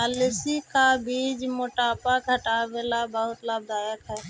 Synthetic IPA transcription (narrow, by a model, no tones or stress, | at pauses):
alɪsikabiːd͡ʒmoʈaːpakəʈawelabəɦʊt̪lab̚d̪aːjəkɦɛː